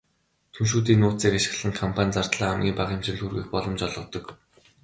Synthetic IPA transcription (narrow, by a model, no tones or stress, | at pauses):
t̪ʰunʃ̬uːt̪̬iːnʊːt͡siːkaʃɪ̥̆ɮɘ̆ŋkʰɔmpʰanʲt͡sart̪ɮaːmɡʲiːpaχɪmt͡ɕɪ̆ɮxurɣiːxpɔɮɞ̆mt͡ɕɔɮʁɞ̆t̪ɞ̆k